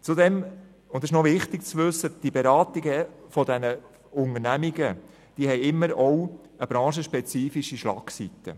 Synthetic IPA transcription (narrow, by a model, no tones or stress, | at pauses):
t͡sudɛm | ʊndɪʃnɔʋɪχtik̚t͡sʋɵsːəd̥ibeɾɑːtiɡəfɔd̪ɛnə | ʊnənæmiɡə | d̥iːhɛɪɪmːəɾɔw | əb̥ɾɑ̃ːʃəʃpɛt͡siːfiʃiʃlɑ̰ːksit̪ə̰